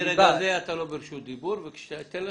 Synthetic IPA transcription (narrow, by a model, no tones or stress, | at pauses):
ɾeɡazeat̪alobeɾiʃut̪̚d̪ibuɾvekʃat̪ela